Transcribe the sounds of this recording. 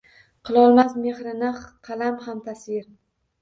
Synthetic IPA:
qʰɨlˠɒlˠmasme̞hɾɪnaχqʰɑlamhamt̪ʰasɪɾ

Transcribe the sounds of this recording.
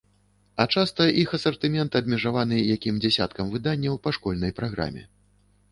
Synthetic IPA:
ɐt͡ʂast̪ɐʔixɐsɐrt̪ɨmʲɛnt̪ɨɐbʲmʲɛʐavanɨjakʲimd͡zʲasʲa̰t̪kɐmvɨd̪anʲːɐwpaʂkɔlʲnɐjpɾaɣɾa̰mʲɛ̰

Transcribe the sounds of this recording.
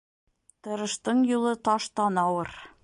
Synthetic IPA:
t̪ɤ̆ɾɤ̆ʃt̪ɤɴjulˠɤt̪ɑʃt̪ɑnɑwɤɾ

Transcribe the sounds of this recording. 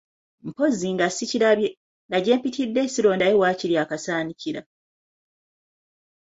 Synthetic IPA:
m̩po̞ziŋɡasiciɾa | ndaɟe̞ːmpitidːe̞siɾo̞ːndajewaːciɾjaːkasaːniciɾa

